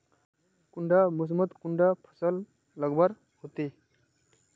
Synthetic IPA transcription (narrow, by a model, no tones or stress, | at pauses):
kuɳɖamus̬mət̪kuɳɖapʰə̥səl | ləɡbaɾ | ɦot̪e